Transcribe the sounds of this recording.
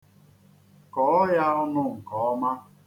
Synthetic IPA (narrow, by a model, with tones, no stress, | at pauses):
kɔ˨˦ɔ˦ja˦ɔ˦nʊ˦ŋ̩˨kɔ˨ɔ˦ma˦